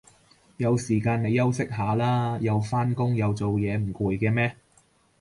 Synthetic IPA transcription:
jɐ˨˧wsiː˨˩kaː˧ne˨˧jɐ˥wsɪ˥k̚ɦaː˨˥laː˥jɐ˨˧wfaː˥nkʊ˥ŋjɐ˨˧wt͡so˨wjɛː˨˧m̩˨˩kuː˨jkɛː˧mɛː˥

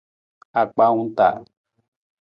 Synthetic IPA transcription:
a˨k͡pa˦ŋũ˦t̪a̰˨

